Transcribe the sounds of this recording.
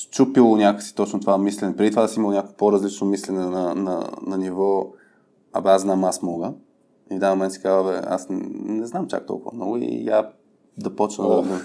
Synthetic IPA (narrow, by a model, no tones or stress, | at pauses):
t͡ʃupilˠonʲakəksi̥t̪ɔt͡ʃnot̪ovamislɛnɛpɾɛd̪it̪ovaasiməlˠonʲakopoɾɐzlit͡ʃnomislɛnɛnɐnɐ̰nɐnivɔ | ɐ̰bɛaszznamasmɔɡə | ivd̪anmomɛnt̪sɛ̥kavəvɛa̰snɛznamt͡ʃa̰k̚t̪ɔ̰lˠkʊvɐ̰mnɔ̰ɡʊḭja | d̪ɐpɔt͡ʃnəd̪d̪ɐ